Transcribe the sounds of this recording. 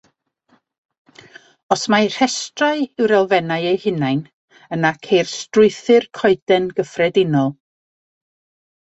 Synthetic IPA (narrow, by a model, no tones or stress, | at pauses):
ɔsmar̥hɛstraɨɪwɾɛlˠvɛnaɨejhɪnajn | ənakʰejrstrʊɨθɨrkʰɔɨdɛnɡəfrɛdɪnɔlˠ